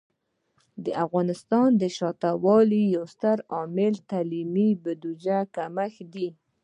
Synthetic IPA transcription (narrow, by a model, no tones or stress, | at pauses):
d̪əʔafɣɑnɪst̪ɑnd̪əʃɑt̪awɑlijawst̪əɾɑmɪlt̪alimibad̪ud͡ʒakamaxd̪i